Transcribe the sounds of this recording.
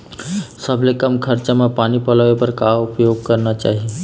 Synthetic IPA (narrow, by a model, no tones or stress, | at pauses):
səbʱlekəmkʰəɾt͡ʃamepanipəlaʋepəɾkaʊpjoɡ̚kəɾnat͡ʃa̰ːɦie